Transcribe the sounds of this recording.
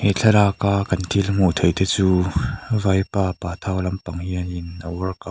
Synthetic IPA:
heɬʰɐlaːkaːkɐnt̪ʰilm̥ut̪ʰejt̪et͡suːvɐjpaːpaːt̪ʰawlɐmpɐŋhiɐninːawɐrkɐ

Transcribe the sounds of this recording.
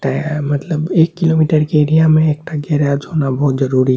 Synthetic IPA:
ʈamət̪ləbeːkːilomiʈəɾkeeɾijamẽeːk̚ʈaɡɛɾjad͡ʒɦonabʱɔːt̪d͡ʒəɾuɾi

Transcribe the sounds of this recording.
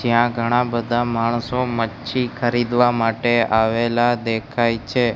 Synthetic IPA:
d͡ʒjãɡʱəɽ̃abəd̪ʱamaɳ̃somətːʃʰikʰəɾid̪ʋamaʈeaʋelad̪ekʰajt͡ʃʰe

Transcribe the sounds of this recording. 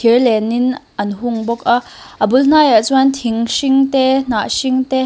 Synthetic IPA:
irlɛnɪnʔɐnɦʊŋbɔk̚aʔ | ʔəbuln̥aːjat͡snt̪ʰiŋʃiŋt̪ɛn̥aʔʃiŋt̪ɛ

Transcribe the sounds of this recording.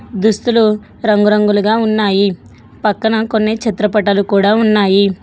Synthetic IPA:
d̪ust̪ulu | ɾɐŋɡuɾɐŋɡuluɡaːunːaːji | pɐkːɐnɐkonːet͡ʃit̪ɾɐpɐʈɐlukuːɽaːunːaːji

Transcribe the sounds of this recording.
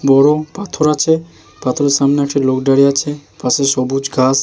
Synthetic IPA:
bɔɽopat̪ʰoɾat͡ʃʰe | pat̪ʰoɾeɾsamneakʰeɾlokɖaɽijat͡ʃʰepaseʃɔbud͡ʒɡas

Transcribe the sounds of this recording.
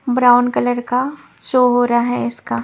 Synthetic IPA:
bɾaːʊnkɐləɾka | ʃoːɦoːɾaaɦɛɪskaː

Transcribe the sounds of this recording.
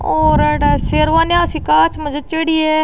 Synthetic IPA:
oːɾɽseːɾʋaːnjãːsĩːkaːt͡ʃməd͡ʒət͡ʃeɽiːɛː

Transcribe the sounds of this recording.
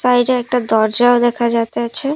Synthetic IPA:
saiɖeek̚ʈad̪ɔɾd͡ʒad̪ekʰad͡ʒat̪at͡ʃʰe

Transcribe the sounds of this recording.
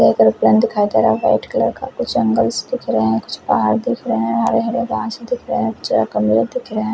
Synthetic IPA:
ekəɾʊplə̃nd̪ɪkʰaːik̪əɾaʋa̰ːɪʈkləɾkakʊt͡ʃʰə̃ŋɡəlsd̪ɪkʰɾəɦɛ̃kʊt͡ʃʰpaːɦaɾd̪ɪkʰɾəɦɛ̃ʋãːɾeɦɐɽebãːt͡ʃd̪ɪkʰɾəɦɛ̃kʊt͡ʃʰɾakəmiɾed̪ɪkʰɾəɦɛ̃ː

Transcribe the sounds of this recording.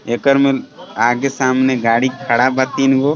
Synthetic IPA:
ekəɾmelaːɡesaːmneɡaːɽikʰəɽabat̪iːnɡoː

